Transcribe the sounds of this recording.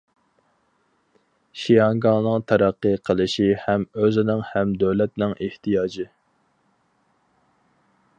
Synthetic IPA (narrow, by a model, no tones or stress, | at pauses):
ʃijɑŋɡɑŋnɨŋt̪ʰæɾæqːəqʰəlˠɨʃihɛmøzɪnɪŋhɛmd̪øwlɛt̪nɪŋʔeht̪ʰijɑːd͡ʒɨ